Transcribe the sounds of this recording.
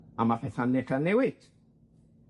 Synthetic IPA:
amapʰɛθanɪɬanːɛwɪd̥

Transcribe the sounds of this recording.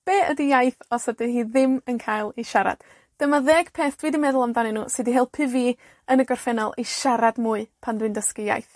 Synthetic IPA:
b̥eːʔədijajθɔsədɨhiːðɪmənkʰaːjlˠiʃaɾa̰d̥ | d̥əmaðeːɡ̥pʰeːθd̥widimɛðʊlˠamdanɛnṵːsɨdiɦelˠpʰɪvi | ənəɡɔrfɛnɔlˠiʃaɾadmuːɨpʰandwɨndəskija̰jθ

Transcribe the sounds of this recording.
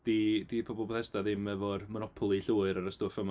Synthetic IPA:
d̥idipʰɔbɔlˠpʰɔθɛsdaðɪmɛvɔdmɔnɔpʰɔlˠiɬuːɨɾaɾəstoːfəma

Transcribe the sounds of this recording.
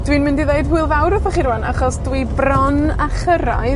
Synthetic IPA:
d̥wiːnmɪndiðeɨdhʊɨlˠvawɾɔvɔχiɾana̰χɔsdwibrɔnaχəɾa̰j

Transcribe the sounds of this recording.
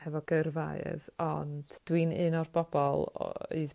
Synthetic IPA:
hɛvɔɡərva̰ɨðɔnd̥d̥winɨnɔrbɔbɔlˠɨð

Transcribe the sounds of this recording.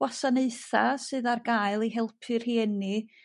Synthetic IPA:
wasaneɨθasɨːðarɡaːɨlˠiɦɛlˠpʰɨr̥hiːni

